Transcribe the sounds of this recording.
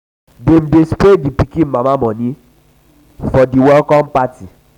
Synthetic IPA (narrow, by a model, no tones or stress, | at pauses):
dem̩despɾedipikĩnmãmãmɔ̃nĩ | fɔdiwɛlkɔ̃mpati